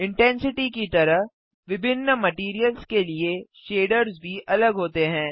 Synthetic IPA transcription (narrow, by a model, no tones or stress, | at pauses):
ɪ̃ɳʈɛ̃nsɪʈikit̪ɐɾəɦ | ʋɪbʱɪnːəmɐʈiːɾijəlzkelieʃeːɖəɾzbʱiɐləɡɦoːt̪eɦɛ̃ː